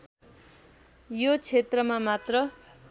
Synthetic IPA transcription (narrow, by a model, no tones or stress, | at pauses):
jot͡sʰet̪rʌmamat̪rʌ